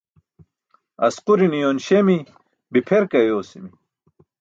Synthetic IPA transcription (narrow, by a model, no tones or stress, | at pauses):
ɐ̰squɾinijonɕemi | bipʰeɾkɐjoːsimi